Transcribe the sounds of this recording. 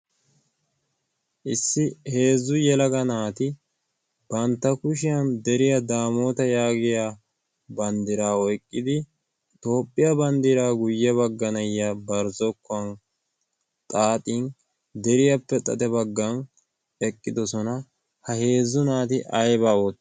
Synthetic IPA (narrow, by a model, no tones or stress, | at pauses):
ʔɪsːɪhe̞ːzːʊjɛlɐɡɐnaːt̪ɪ | b̥ɐnt̪ːɐkʊʃɪjɐnd̪ɛɾɪjɐd̪aːmoːt̪ɐjaːɡɪja | bɐnd̪ɪɾaːɔjkʼːɪd̪ɪ | t̪o̞ːpʼːɪjɐbɐnd̪ɪɾaːɡʊjːɛβɐɡːɐnɐjːabɐɾzɔkːɔɐn | t̪ʼaːt̪ʼin | d̪ɛɾɪjɐpːɛt̪ʼɐ̰t̪ɛbɐɡːɐn | ɛkʼːɪd̪ɔsɔnɐ | hɐhe̞ːzːʊnaːt̪ɪʔɐjbaːwɔt̪ː